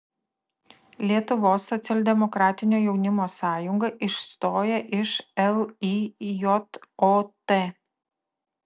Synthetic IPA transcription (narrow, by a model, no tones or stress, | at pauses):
lʲiɛt̪ʊʋoːsːɔt̪sʲɛlʲd̪ʲɛmɔkɾɑːt̪ʲɪnʲoːjɛʊnʲɪmoːsɑːjʊŋɡɐʔɪʃst̪oːjɛʔɪʃɛlˠijɔt̪oːt̪eː